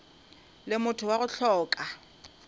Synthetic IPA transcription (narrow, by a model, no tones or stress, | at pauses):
lɪmʊtʰʊwaɣʊɬɔːkʼa